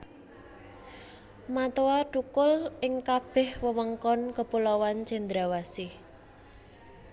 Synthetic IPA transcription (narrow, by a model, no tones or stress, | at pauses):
mat̪oaɖ̥ukʊlɪŋkab̥ɛ̤hwəwəŋkɔnkəpulɔwant͡ʃɛnd̪ɾawasɪh